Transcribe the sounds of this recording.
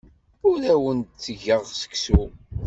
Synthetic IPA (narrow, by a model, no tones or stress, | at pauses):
ʊɾæwənt̪t͡sːəʝəʁsə̥ksu